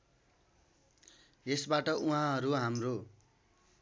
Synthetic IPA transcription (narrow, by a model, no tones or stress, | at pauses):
esbaʈʌuɦãɦʌɾuɦamro